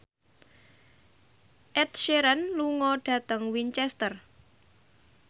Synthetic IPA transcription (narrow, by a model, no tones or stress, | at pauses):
ʔɛt̪̚ʃeɾənluŋɔɖ̥a̤t̪əŋwiɲt͡ʃɛst̪ər